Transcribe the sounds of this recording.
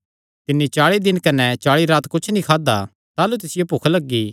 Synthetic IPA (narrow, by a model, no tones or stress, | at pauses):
t̪ɪnːit͡ʃaːɭid̪ɪnkɐnɛt͡ʃaːɭiɾaːt̪kʊt͡ʃʰnĩkʰaːd̪a | t̪aːlut̪ɪsɪjopoːkʰlɐɡːiː